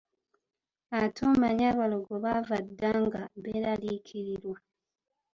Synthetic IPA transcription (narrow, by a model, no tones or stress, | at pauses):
atʰomaɲaβaloɡoβavadːaŋɡaβeɾalikʰiɾiɾwa